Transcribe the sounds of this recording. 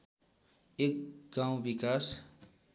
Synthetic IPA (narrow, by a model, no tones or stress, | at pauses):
ek̚ɡãw̃bikas